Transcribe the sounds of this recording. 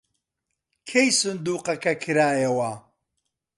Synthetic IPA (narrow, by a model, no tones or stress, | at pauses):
kʰejsʊnd̪uːqɐkɐkʰɨɾaːjɐwɐ